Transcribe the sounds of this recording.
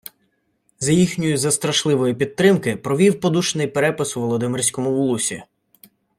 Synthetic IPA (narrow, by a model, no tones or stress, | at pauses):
zɐjixnʲʊjʊzɐst̪ɾɐʃlˠɪʋɔjipʲid̪̚t̪ɾɪmkɪpɾɔʋʲiwpɔd̪uʃnɪjpeɾɛpɪsʋɔlˠɔd̪ɪmɪrʲsʲkɔmʊwulˠusʲḭ